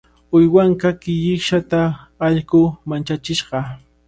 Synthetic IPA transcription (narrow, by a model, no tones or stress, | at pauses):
ʊjwaŋkakɪʎɪkʃat̪aː | ʎkʊmant͡ʃat͡ʃɪʃɢɑ